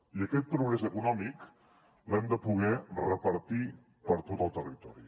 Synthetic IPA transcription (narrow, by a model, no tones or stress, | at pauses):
iəkɛt̪̚pɾuɣɾɛzəkunɔmik | lɛmd̪əpuɣ̞ɛrəpəɾt̪i | pəɾt̪ot̪əlˠt̪ərit̪ɔɾi